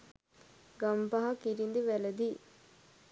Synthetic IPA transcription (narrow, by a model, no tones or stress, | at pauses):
ɡɐmpɐɦɐkiɾind̪iʋɛlɐd̪i